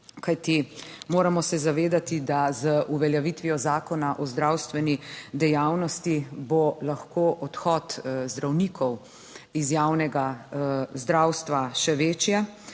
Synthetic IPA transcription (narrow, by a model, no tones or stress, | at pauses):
kajt̪imoːɾamɔsɛzaʋeːd̪at̪id̪azəʔuʋɛljɛʋit̪ʋijɔzaːkɔnaʔɔzd̪ɾawst̪ʋɛnid̪ɛjawnɔst̪ibolaxkoʔɔt̪xɔt̪zd̪ɾawnikʰɔw | izjaːwnɛɡa | zd̪ɾawst̪ʋaʃɛʋeːt͡ʃjɛ